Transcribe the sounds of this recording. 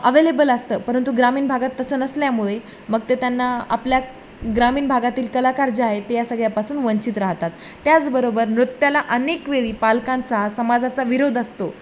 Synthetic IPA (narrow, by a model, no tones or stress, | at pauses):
əʋelebələst̪əːpəɾənt̪uɡɾamiːnbʱaɡat̪ːəsəːnəsljamuɭe | məɡt̪et̪janːaa̰plja | ɡɾamiːnbʱaɡat̪iːlkəlakaɾd͡ʑəaɦet̪ejasəɡɭjapasuːnʋəɲt͡ɕiːt̪ɾaɦt̪at̪ːjat͡sbəɾobəɾnɾut̪ːjalaʔənekʋeɭiːpalkãnt͡sasəmad͡zʱat͡saʋiɾod̪əst̪o